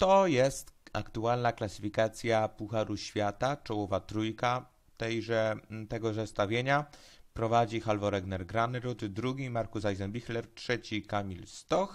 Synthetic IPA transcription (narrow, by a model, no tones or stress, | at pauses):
t̪ɔjɛst̪a̰kt̪ualnaklasɘ̥fʲikat̪sʲjapuxaɾuɕfʲjat̪at͡ʂɔwɔvat̪ɾujka | t̪ɛjʐɛt̪ɛɡɔzɛst̪avʲjeɲa | pɾɔvad͡ʑixalvɔɾɛɡnɛɾɡɾanɾut̪d̪ɾuɡʲimaɾkusajzɛnbʲixlɛɾtʂɛt͡ɕikamʲilst̪ɔx